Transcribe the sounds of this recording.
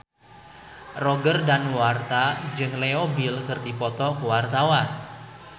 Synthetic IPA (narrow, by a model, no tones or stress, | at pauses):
rɔɡərdanwart̪ad͡ʒɨŋleobilkɨrdipɔt̪ɔkəwart̪awan